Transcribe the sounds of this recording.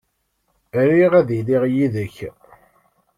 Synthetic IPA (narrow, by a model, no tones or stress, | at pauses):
ɾiʁæðiliʁjiðəç